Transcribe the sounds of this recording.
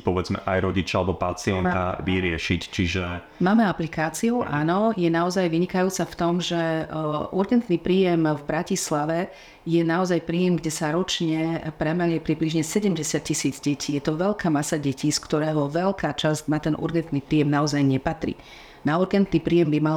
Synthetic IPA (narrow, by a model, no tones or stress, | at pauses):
pɔʋɛd͡zmɛ̰ʔa̰jɾɔɟit͡ʃaalɛbɔpat͡siɛnt̪a̰ʋiɾɪɛʃict͡ʃiʒɛ | maːmɛaplikaːt͡siuʊʔaːnɔjɛnaɔzajʋiɲikajuːt͡saft̪ɔmʒɛ | uɾɡɛnt̪nipɾiːjɛmvbɾacislaʋɛ | jɛnaɔzajpɾiːjɛmɡɟɛsaɾɔt͡ʃɲɛpɾɛmɛlɛpɾibliʒɲɛsɛɟɛmɟɛsɪac̚cːisiːd͡zɟɛcʰiːjɛt̪ɔʋɛlkaːmasaɟɛciːskt̪ɔɾɛːɦɔʋɛlkʰaːt͡ʃazcnat̪ɛnʔṵɾɡɛnt̪nipɾiːjɛmnaɔzajɲɛpat̪ɾḭː | nauɾɡɛnt̪niːpɾiːjɛmbimal